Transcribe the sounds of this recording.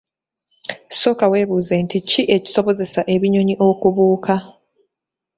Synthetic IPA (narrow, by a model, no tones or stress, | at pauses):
so̞kawe̞ːβuːzenticiʔe̞ci̥so̞βo̞ze̞saʔe̞βiɲo̞ɲiʔo̞kuβuːkʰa